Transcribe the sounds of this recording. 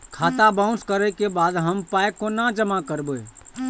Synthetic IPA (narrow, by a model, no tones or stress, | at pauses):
kʰat̪abãũskəɾəkebad̪ɦəmpajkonad͡ʒəmakəɾbəj